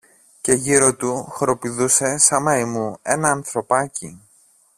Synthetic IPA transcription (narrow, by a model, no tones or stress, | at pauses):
ce̞ʝiɾo̞t̪uxɾo̞piðuse̞sɐmɐimue̞nɐːnθɾo̞pɐci